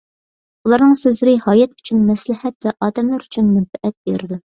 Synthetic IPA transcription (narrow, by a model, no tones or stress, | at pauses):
ulˠɑɾnɨŋsøzlɪɾɪhɑːjɛt̪y̥t͡ʃʰynmɛslɪhɛt̪̚vɛʔɑːd̪ɛmlˠɑɾyt͡ʃʰynmɛnfɛʔɛt̪̚beɾɪd̪u